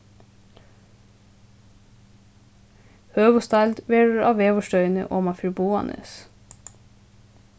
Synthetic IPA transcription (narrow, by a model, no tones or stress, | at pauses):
høːʋʊst̪ɑɪld̪ʋeːɖəɾʔɑːʋeːʋʊʃtœʏnə̰ʔoːmɑfʏɹbuːɑ̰nʔə̰s